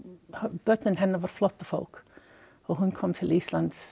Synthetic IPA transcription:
hb̥œt̪nənɦɛnːəvaɾ̥flɔt̪ːɔfo̰lk | ɔɦunkʰɔmt̪ʰɪliːsland̪̥s

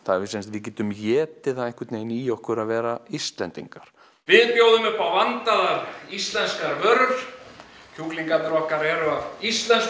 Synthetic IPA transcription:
θaðɾvɪsɛnst̪vɪðcɛːt̪ʏmjɛːt̪ɪθaðeŋ̥kɪt̪neːjniːɔhkʏɾaðvɛːɾaist̪lɛnt̪ḭŋkaɾ̥ | vɪðpjoːwðʏmɛpawvant̪aðaɾist̪lɛnskaɾvœɾɾ | cʰukliŋkat̪ɪɾɔhkaɾɛɾʏaðist̪lɛns

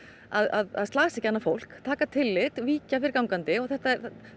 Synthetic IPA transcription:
aðaða̰ðst̪laːsɪɛhcanːafowl̥kt̪ʰaːkat̪ʰɪlːɪt̪viːcafɪɾɪɾkawŋkant̪ɪɔɣθɛht̪aɛɾ

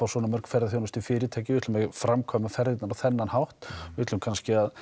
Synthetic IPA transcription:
awsɔːnamœr̥kfɛɾðaθjownast̪ifɪːɾɪt̪ʰaːjcɪvɪt̪ʰlmɛfɾamkʰvamafɛɾðɪt̪naɾawθɛnːanhawht̪ɪt̪lʏmkʰanscɪað

